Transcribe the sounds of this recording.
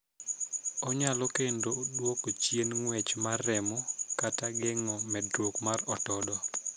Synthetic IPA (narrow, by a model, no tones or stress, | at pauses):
ɔɲalɔkendodwokot͡ʃjenŋwɛt͡ʃmarːɛmɔkataɡɛŋɔmɛdɾokmaɾɔtɔdɔ